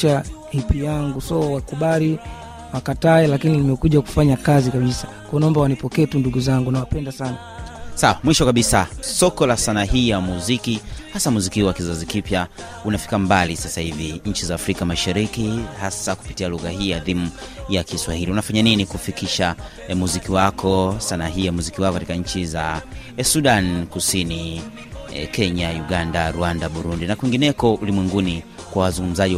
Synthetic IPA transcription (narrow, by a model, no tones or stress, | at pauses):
ahipijaŋɡusɔwakuɓaɾi | wakataɛlakinilimɛkuʄaku̥faɲakazikaɓisḁ | kwɔɔnaɔmbawanipɔkɛːtunduɡuzaŋɡunawapɛndasana | sawamwiʃɔkaɓisasɔkɔlasanaɦiːjamuzikihasamuzikiwakizazikipja | unafi̥kambalisasahiviɲ̩t͡ʃizaːfɾikamaʃaɾikihasaku̥pi̥tialuɣahiːjaðimu | jakiswahiliunafaɲaninikufikiʃa | muzikiwakʰɔsanaɦiːjamuzikiwakɔkatikaɲ̩t͡ʃizasuɗankusini | kɛɲajuɠandaɾuandaɓuɾundinakwiŋɡinɛkɔulimwɛŋɡuni | kwawazuŋɡum̩zaʄi